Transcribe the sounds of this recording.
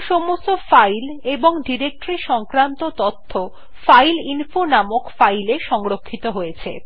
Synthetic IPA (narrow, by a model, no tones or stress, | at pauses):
ʃɔmost̪ofajleboŋɖiɾek̚ʈɾiʃɔŋkɾant̪ot̪ɔt̪ʰːo | fajlinfonamokfajleʃɔŋɾokʰːit̪oɦojet͡ɕʰḛ